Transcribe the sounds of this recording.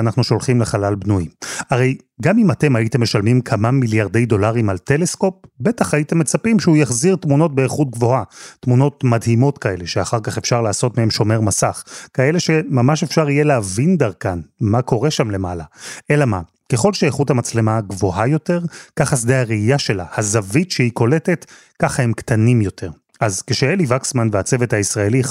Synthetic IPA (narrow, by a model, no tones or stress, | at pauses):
anaχnuʃo̞lχimleχalalbnujaʁej | ɡamimate̞maitemːe̞ʃalmimkʰamamiljaʁde̞jdo̞laʁimaltele̞sko̞p̚be̞taχajite̞mːe̞t͡sapimʃeujaχziʁtmuno̞t̚beːχut̚ɡvo̞atmuno̞tmadɦimo̞tkae̞le̞ʃeaχaʁkaχefʃaʁlaːso̞tmehemʃo̞me̞ʁmasaχkae̞le̞ʃemamaʃe̞fʃaʁhijeleavind̪aʁkanmako̞ʁeʃamle̞malae̞lama | keχo̞lʃeːχuthamat͡slemaɡvo̞ɦajo̞te̞ʁkaχasdehaʁeijaʃe̞lahazavitʃehiko̞letet | kaχahemktanimjo̞tʰe̞ʁ | azkeʃeelivaksmanveat͡sevethaisʁae̞li